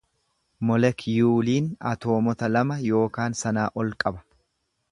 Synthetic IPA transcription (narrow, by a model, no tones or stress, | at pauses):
mɔlɛkjuːliːnɐt̪o̞ːmɔt̪ɐlɐmɐjo̞ːkaːnsɐnaːʔɔlkʼɐbɐ̥